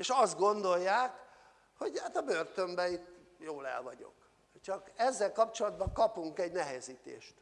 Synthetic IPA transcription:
eʃɒzd̪̚ɡo̞nd̪o̞jːaːk | ho̞ɟhat̪ɒbørt̪ø̞mbɛit̪ː | joːlɛ̰lvɒ̰ɟo̞̰k | t͡ʃɒkɛzːɛlkɒpt͡ʃo̞lɒd̪bɒŋkɒpuŋkɛɟnɛɦɛziːt̪ḛːʃt̪

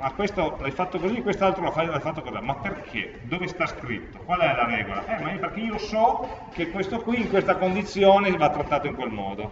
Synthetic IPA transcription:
makwest̪olajfat̪ːokozikːwest̪alt̪ɾolafalajfat̪ːokozamapːerkʰḛ | d̪oːvest̪askɾḭt̪ːokwalɛlaɾɛːɡola̰ʔɛmaeperk̟eiːosɔkekwest̪okwiːŋkwest̪akond̪it̪sːjoːnevat̪ːɾat̪ːaːt̪oiŋkwelmɔ̰ːd̪o

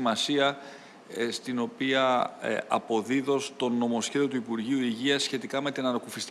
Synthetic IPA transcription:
mɐsiɐ | st̪ino̞piɐ̰ɐ̰po̞ðiðo̞st̪o̞no̞mo̞sçe̞ðiot̪uipuɾʝiuiʝiɐsçe̞t̪ikɐme̞t̪inɐɾokufist̪

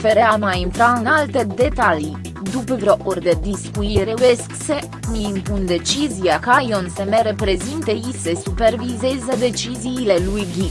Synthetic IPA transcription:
feɾeamajint̪ɾaɨnalt̪e̞d̪e̞t̪ali | d̪upəvɾoʔorʲd̪ed̪iskujiiɾeujeskse | mimpund̪e̞t͡ʃizijakajonsemeɾe̞pɾe̞zint̪əisesupe̞rvizezəd̪e̞t͡ʃiziːle̞lujɡʲi

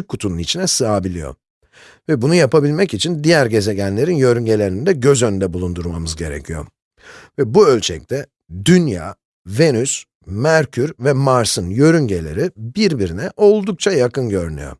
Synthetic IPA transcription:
kʰːut̪ʰununit͡ʃʰinɛsɯabilʲḭjo̰ | vɛbunujapabilʲmɛcit͡ʃʰind̪ijæɾɟe̞ze̞ɟænlʲe̞ɾinjø̞ɾyɲɟe̞lʲe̞ɾind̪ɛɟø̞zønynd̪ɛbulˠund̪uɾmamɯzɟe̞ɾḛcʰijo̞̰ | vɛbuø̞lʲt͡ʃʰɛ̰c̚t̪ʰɛ | d̪ynja̰ː | ve̞nys | mæɾcʰyɾvɛmaɾsɯnjø̞ɾyɲɟe̞lʲe̞̰ɾibiɾbiɾinɛʔo̞lˠd̪uk̚t͡ʃʰajakɯnɟø̞ɾyny̰jo̞̰

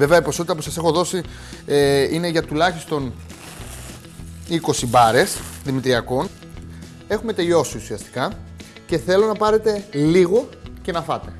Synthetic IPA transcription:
veveɐipo̞so̞t̪it̪ɐpusɐse̞xo̞ðo̞si | eine̞ʝɐt̪ulɐçist̪o̞n | iko̞sibɐɾe̞sðimit̪ɾiɐko̞n | e̞xume̞t̪e̞ʎo̞siusiɐst̪i̥kɐ | ce̞θe̞lo̞nɐpɐɾe̞t̪e̞liɣo̞ce̞nɐfɐt̪e̞

